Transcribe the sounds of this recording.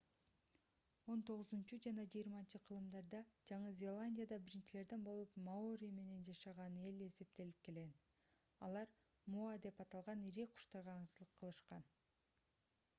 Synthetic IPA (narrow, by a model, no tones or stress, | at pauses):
o̞nt̪o̞ʁɯzunt͡ʃud͡ʒɑnɑd͡ʒɯjːɾmɑnt͡ʃɯqʰɯlˠɯmd̪ɑɾd̪ɑd͡ʒɑɴɯzʲe̞lˠanʲdʲijad̪ɑbiɾint͡ʃile̞ɾd̪e̞nbo̞lˠupmaoɾʲijme̞ne̞nd͡ʒɑʃɑʁɑne̞le̞se̞p̚t̪e̞lip̚ke̞lɡen | ɑ̰lˠɑɾ | muad̪e̞pɑt̪ɑlˠʁɑniɾeqʰu̥ʃt̪ɑɾʁɑːɴsɯlˠɯqʰːɯlˠɯʃqɑn